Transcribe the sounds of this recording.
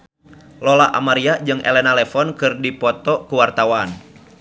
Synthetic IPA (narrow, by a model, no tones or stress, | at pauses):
lɔlaʔa̰maɾiad͡ʒɨŋʔɛ̰lɛnalɛfɔnkɨrdipɔt̪ɔkuwart̪awan